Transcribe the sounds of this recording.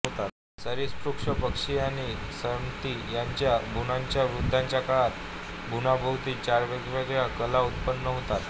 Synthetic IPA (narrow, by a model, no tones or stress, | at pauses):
t̪at̪ | səɾispɾukʂəpəkʂiaɽ̃isəmt̪ijaɲt͡ɕjabʱunaɲt͡ɕjaʋɾud̪ʱːaɲt͡ɕjakaɭat̪ | bʱunabʱəwt̪iːt͡ɕaɾʋeɡʋeɡjakəlaut̪pənːəɦot̪at̪